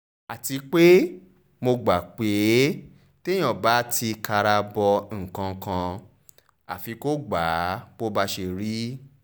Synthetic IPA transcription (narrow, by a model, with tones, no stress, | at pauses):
a˨ti˨˧k͡pe˦ | mo˧ɡ͡ba˨k͡pe˨˦ | tẽ˦ɔ̃˨ba˨˦tʰi˧ka˧ɾa˧bɔ˧ŋ̩˨kã˧kã˧ | a̰˨fi˧ko˦ɡ͡ba˨˦k͡po˦ba˧ʃe˧ɾi˦